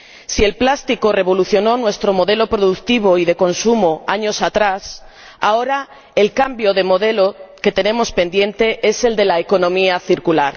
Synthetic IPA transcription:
sie̞lplast̪iko̞re̞β̞o̞luθjo̞no̞nwe̞st̪ɾo̞mo̞ðe̞lo̞pɾoðukt̪iβ̞oiðe̞ko̞nsumoaɲo̞sat̪ɾas | ao̞ɾa | elkambjo̞ðe̞mo̞ðe̞lo̞ke̞t̪e̞nẽ̞mo̞spe̞nd̪jẽ̞nt̪e̞ʔe̞se̞ld̪e̞laeko̞nõmiaθiɾkulaɾ

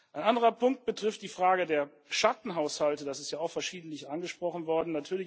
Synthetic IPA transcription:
ʔaɪnʔandəʁɐpʰʊŋk̚t̚b̥ətʁ̥ɪft̚d̥iːfʁ̥aːɡədeːɐ | ʃatn̩ɦaʊshaltədasɪstjaːaʊxfɛɐʃiːdn̩tlɪçʔanɡəʃpʁ̥ɔχn̩vɔɐdn̩natʰyːɐlɪç

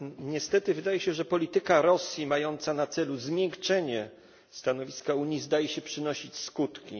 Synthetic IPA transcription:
ɲɛst̪ɛt̪ɘvɘd̪ajɛɕɛʐɛpɔlʲit̪ɘkaɾɔsʲjimajɔnt̪sanat̪sɛluzmʲjɛŋkt͡ʂɛɲɛ | st̪anɔvʲiskauɲizd̪ajɛɕɛpʂɘnɔɕit͡ɕskut̪kʲi

